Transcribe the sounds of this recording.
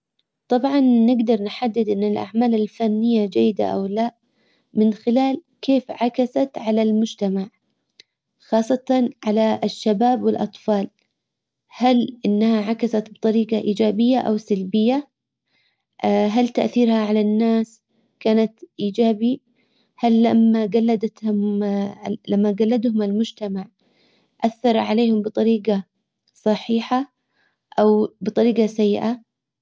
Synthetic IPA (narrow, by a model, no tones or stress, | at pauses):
t̪ˤɑbʕɑnːɪɡd̪ɑɾˤnħad̪ːɪd̪ʔɪnːɪlʔa̰ʕmaːlɪlfanːɪjːad͡ʒajːɪd̪a̰ʔa̰wlaʔ | mɪnxɪlaːl | kʰeːfʕakasat̪ʕalalmʊd͡ʒt̪amaʕ | xɑːsˤːɑt̪ɑnʕalaʃːabaːbwɪlʔɑt̪ˤfɑːl | halʔɪnːahaʕakasat̪bt̪ˤɑɾiːqɑʔiːd͡ʒaːbɪjːaʔawsalbɪjːa | ɦalt̪aʔθiːɾhaʕalanːaːs | kaːnat̪ʔiːd͡ʒaːbi | halːamːaɡalːad̪at̪hʊm | lamːaɡalːad̪hʊmɪlmʊd͡ʒt̪amaʕ | ʔaθːɑɾˤʕaleːhʊmbɨt̪ˤɑɾiːɡa | sˤɑħiːħa | ʔawbɨt̪ˤɑɾiːqɑsajːɪʔa